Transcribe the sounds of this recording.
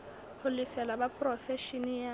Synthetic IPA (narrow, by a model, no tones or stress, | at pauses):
hʊlɪsɛlabapʼrɔfɛʃinija